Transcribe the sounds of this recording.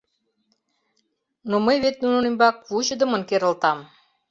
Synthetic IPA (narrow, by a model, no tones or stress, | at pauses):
noməjβet̪̚nunɤ̆nimʲbɑk̚vut͡ɕə̆d̪ə̆mə̆nkeɾə̆lt̪ɑm